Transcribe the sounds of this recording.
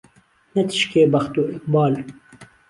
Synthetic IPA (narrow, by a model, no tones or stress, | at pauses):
nɛt̪ʰɨ̥ʃkeːbɐxt̪uːʔɪk̚bɑːl